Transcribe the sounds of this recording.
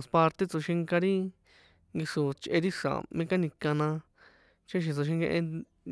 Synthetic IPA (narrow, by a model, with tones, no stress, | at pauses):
spa˧ɾt̪e˦˧t͡so˧ʃĩ˧ŋkã˧ɾi˦ | ŋɡi˧ʂo˨t͡ʃʔe˧ɾi˦ʂa̰˨mẽ˦ka˦nĩ˧kã˧nã˧ | t͡ʃe˦ʃ̬ĩ˧t͡so˧ʃ̬ĩ˧ŋɡḛ̃˧ʔẽ˧